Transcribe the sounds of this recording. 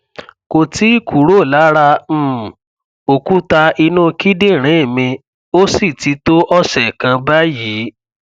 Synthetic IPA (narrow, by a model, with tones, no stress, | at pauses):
ko˧ti˨˦i˦˨kʰu˨˦ɾo˦˨la˨˦ɾã˧˦˨ | o˨ku˦ta˧i˧nũ˦˧ki˦de˦˨ɾ̃ẽ˨˦˨mĩ˧ | o˦si˦˨ti˨˦to˦ʔɔ˦ʃɛ˨kã˧ba˦jiː˨˦